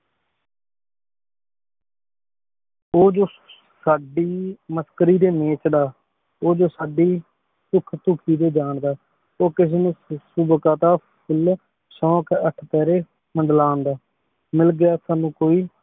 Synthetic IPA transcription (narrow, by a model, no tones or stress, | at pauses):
oːd͡ʒoː | saːɖiːməskəɾiːd̪eːmẽːt͡ʃd̪aː | oːd͡ʒoːsaːɖiː | t̪ʊkʰt̪ʊkʰiːd̪eːd͡ʒaːɳd̪aː | oːkɪseːnũːsubkãːt̪aːpʰʊl | sɔ̃ːkəʈʰpɛːɾeː | məɳɖlaːnd̪aː | mɪlɡɪjaːsaːnũːkoːiː